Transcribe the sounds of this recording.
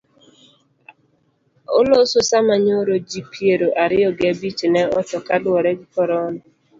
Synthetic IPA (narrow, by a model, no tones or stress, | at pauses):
o̰lososamaɲoɾod͡ʒipjeɾoʔaɾɪɔɡabit͡ʃnɛɔtɔkalwɔɾɛɡɪkɔɾɔnɔ